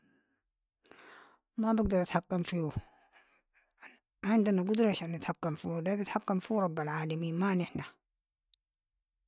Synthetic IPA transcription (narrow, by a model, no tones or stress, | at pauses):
mabɪɡ̚d̪ɑɾʔat̪ħakːamfiu | ʕɪnd̪anaɡʊd̪ɾeʃʔanːat̪ħakːamfiːulabɪt̪ħakːamfiɾˤɑbːalʕaːlamiːnmanɪħna